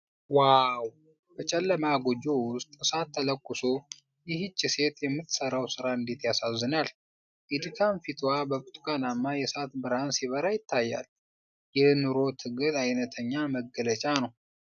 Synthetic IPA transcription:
waw | b̥ət͡ʃʼɛlːəmaɡod͡ʒo̞wʊst̪ʼsat̪ʰːələkʼːʊso | jɪɦɨt͡ʃʼːise̞t̪jɛmːɨt̪ːsəɾawsɨɾaɨnd̪et̪jasazːɨnal | ʔid̪ɨkʰanfit̪ʰwabəkʼut̪ʼkʼanamːajɛsat̪bɨɾansiβəɾajɪt̪ʰːajːa̰l | jɛnɨɾo̞t̪ʰɨɡɨd̪ajnət̪ʰəɲːaməɡːələt͡ʃʼanəw

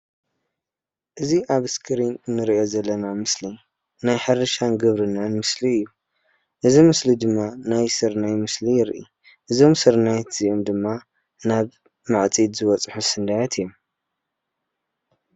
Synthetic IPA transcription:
ʔɨziʔaβɨskʰɨɾinnɨɾiʔo̞zɐlːɐnamɨsli | najħɨɾɨʃanɡɨβɾɨnːanmɨsliɨjːu | ʔɨzimɨslid̪ɨmːanajsɨɾnajmɨslijɪɾʔḭ | ʔɨzo̞msɨɾnajt̪ʰz̥iʔomd̪ɨmːa | naβ | maʕt͡sʼid̪zɨwɔt͡sʼħusɨnd̪ajat̪ʰɨjːom

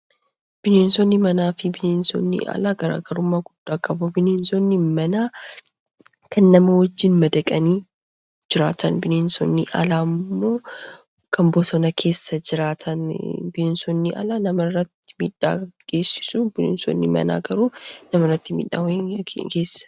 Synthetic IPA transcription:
b̥ɪneːnsɔnːɪmɐnaːfɪbɪneːnsɔ̰nːɪ̰ʔɐ̰laːɡɐɾa̰ːɡɐɾʊmːaːɡʊd̪̥ːaːkʼɐbubɪneːnsɔnːɪmɐnaː | kʰɐnːɐmɐwɐd͡ʒːɪnmɐd̪ɐkʼɐniː | d͡ʒɪɾa̰ːt̪ʰɐnbɪneːnsɔ̰nːɪʔɐ̰laːmːo̞ː | kʰɐmbɔsɔnɐkʰe̞ːsːɐd͡ʒɪɾaːt̪ʰɐnbɪneːnsɔnːɪʔɐ̰laːnɐmɐrːɐt̪ːɪ̥mḭːᶑːa̰ːɡ̥e̞ːsːɪ̥suːbɪnḛːnsɔ̰nːɪmɐ̰na̰ːɡɐɾuːnɐmɐrɐt̪ːɪmḭːᶑːa̰wɔjeke̞ːsːɐ̥

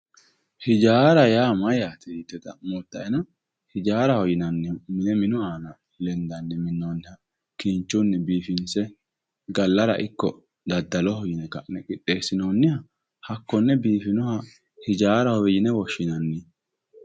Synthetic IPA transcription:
hɪd͡ʒaːɾɐjaːmɐjat̪ɛt̪ːɛt̪ɐ̰mɔt̪ːɐʔɛnɐ | hɪd͡ʒaːɾɐhɔjɪnɐnːɪmɪnɛmɪnʊaːnɐ | lɛnd̪ɐnːɛmɪnːoːnːɪhɐ | kiːnt͡ʃːʊnːɛbiːfɪnsɛ | ɡɐlːɐɾɐ̰ʔɪkːɔ̰ | d̪ɐd̪ːɐlɔhɔjɪnɛkɐʔnɛkʼɪɗːe̞ːsːɪnoːnːɪhɐ | hɐkːɔnːɛbiːfɪnɔhɐ | hɪd͡ʒaːɾɐhɔjɪnɛwɔʃːɪnɐnːɪ

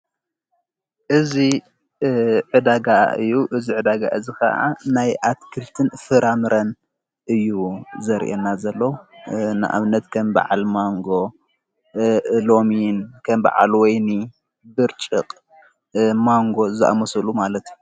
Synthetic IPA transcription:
ʔɨzi | ʕɨd̪aɡaɨ̰jːuʔɨziʕɨd̪aɡa̰ʔɨzikɐ̰ʔa̰najʔat̪kʰɨlt̪ʰɨnfɨɾamɨɾɐn | ʔɨjːuzɐɾ̰ʔenːazɐlːɐwnɨ̰ʔa̰βnɐt̪kʰɐmba̰ʕa̰lmaŋɡo̞ | lo̞minkʰɐmba̰ʕa̰lwɔjni | bɨɾt͡ʃʼɨqʼ | maŋɡo̞zɨʔa̰mɐsɐlumalɐt̪u

